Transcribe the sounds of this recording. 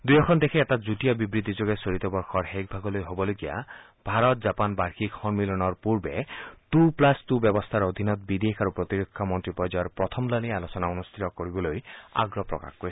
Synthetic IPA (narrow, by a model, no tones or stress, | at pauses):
d̪ujɔkʰɔnd̪ekʰiːtad͡ʒutijɔbibɾid̪ʱid͡ʒoɡesoɾit̪ɔbɔɾxɔɾɦek̚bʱaɡɔlojɦobɔlokija̰ | bʱaɾɔt̪̚d͡ʒapanbaɾxʰikhɔnmilɔnɔɾpuɾbetuplastubjɔbɔst̪ʰaɾod̪ʱinɔt̪bid̪ekʰaɾupɾɔt̪iɾokʰːamɔnt̪ɾipɔjd͡ʒajɔɾpɾɔt̪ʰɔmlanialosɔnaunust̪ʰit̪ɔkɔɾibɔloja̰ɡɾɔpɾɔ̰ka̰xko